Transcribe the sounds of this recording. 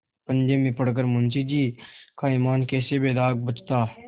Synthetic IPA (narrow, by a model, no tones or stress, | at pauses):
pənd͡ʒemẽpəɽk̬əɾmʊnt͡ʃid͡ʒiːkaimaːnkɛːsebeːd̪aːk̚bət͡ʃt̪aː